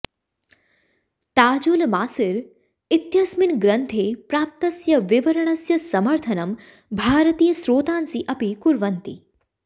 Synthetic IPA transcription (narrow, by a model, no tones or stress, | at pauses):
t̪aːd͡ʒulmaːsɪɾ | ɪt̪jɐsmɪnɡɾɐnt̪ʰeːpɾaːp̚t̪ɐsjɐʋɪʋɐɾəɳɐsjɐsɐmɐɾt̪ʰɐnɐm | bʱaːɾət̪iːjəsɾoːt̪aːnsiʔɐpikʊɾʋɐnt̪ḭ